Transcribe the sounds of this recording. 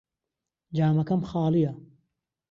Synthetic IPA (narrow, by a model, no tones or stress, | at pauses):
d͡ʒaːmɐkɐmxɑːlijɐ